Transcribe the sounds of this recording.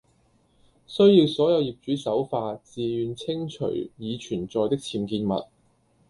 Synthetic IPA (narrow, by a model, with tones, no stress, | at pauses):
sɵ˥ɥji˧wsɔː˨˥jɐ˨˧wjiː˨p̚t͡ʃyː˨˥sɐ˨˥wfaː˧t͡siː˨jyː˨˧nt͡sʰɪ˥ŋt͡ʃʰɵ̰˨˩ɥjiː˨˧t͡ʃʰyː˨˩nt͡sɔː˨jt̪ɪ˥k̚t͡sʰiː˧mkiː˧nmɐ̰˨t̚